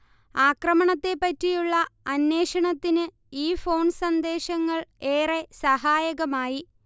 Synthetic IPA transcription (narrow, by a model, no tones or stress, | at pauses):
aːkrɐmɐɳɐt̪ːe̞pːɐtːijuɭːɐɐnːe̞ːʂɐɳɐt̪ːinɨ | iːfo̞ːɳsɐnd̪e̞ːɕɐŋːɐɭeːre̞sɐɦaːjɐɣɐmaːji